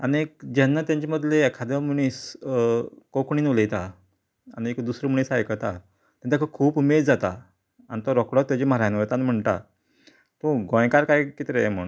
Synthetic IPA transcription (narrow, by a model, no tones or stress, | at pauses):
aniek̚d͡ʑanːat̪jãɲt͡ɕeməd̪ʱleɛkʰad̪muɳ̃iːs | kokɳiːnoləjt̪a | a̰ñiekd̪usɾəmuɽ̃iːsajkət̪a̰ | t̪ãt͡sakʰəkʰuːpumeɾd͡zat̪a | anit̪ɔɾɔkɽɔt̪ːjat͡ɕiməɾajnʋət̪anm̤əɳt̪a̰ | t̪õɡɔ̃jkaɾkajkit̪ɾem̤ə̰ɳ